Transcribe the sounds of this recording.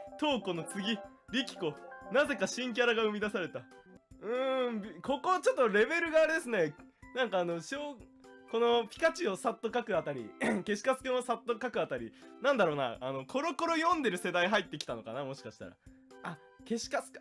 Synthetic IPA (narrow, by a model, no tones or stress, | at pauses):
t̪o̞ːko̞not͡sɨɡʲi | ɾʲikʲi̥konaze̞kaɕĩŋk̬ʲaɾaɡaɯ̟mʲid̪asaɾe̞t̪aɯ̟̃bʲko̞ko̞t͡ɕo̞t̪ːoɾe̞be̞ɾɯ̟ɡaːɾed̪e̞sɨne̞ | nãŋkaːno̞ɕoː | ko̞no̞pʲi̥kat͡ɕio̞sat̪ːo̞kakɯat̪aɾʲḭke̞ɕi̥kasɨ̥keosat̪ːo̞kakɯat̪aɾʲinãnd̪aɾo̞ːna̰ano̞kʰo̞ɾo̞ko̞ɾo̞jõ̞nd̪e̞ɾɯ̟se̞d̪aiɦait̪ːe̞kʲi̥t̪ano̞ka̰namo̞ɕi̥kaɕi̥t̪a̰ɾa̰ | a | ke̞ɕi̥kasɨ̥k